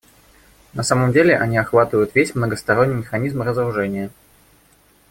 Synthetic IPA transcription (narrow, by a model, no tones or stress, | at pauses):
nɐsaməmdʲelʲɪʔɐnʲiɐxvat̪ɨvəjʊt̪vʲesʲmnəɡəst̪ɐɾo̞nʲːɪjmʲɪxɐnʲizmrəzəɾʊʐɛnʲɪjə